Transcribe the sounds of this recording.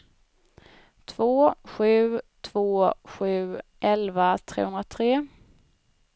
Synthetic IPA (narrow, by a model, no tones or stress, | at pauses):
t̪ʰvoːɧʉ̟ːt̪ʰv̥oːɧʉ̟ːʔɛlvat̪ʰɾḛːhɵnd̪ɾat̪ʰɾeː